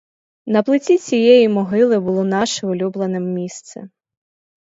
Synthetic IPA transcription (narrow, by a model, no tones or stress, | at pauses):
nɐplˠɪt͡sʲit͡sʲijɛjimɔɦɪlˠɪbʊlˠɔnɑʃɪʊlʲublˠɐnɪmːʲist̪sɛ̰